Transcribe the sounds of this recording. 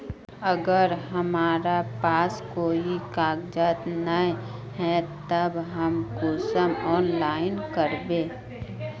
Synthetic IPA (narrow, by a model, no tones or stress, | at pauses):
əɡəɾɦɐmaːɾapaːskoːikaːɡd͡ʒaːt̪nəɦɛt̪əbɦəmkoːsəmɔːnlaːɪnkəɾbeː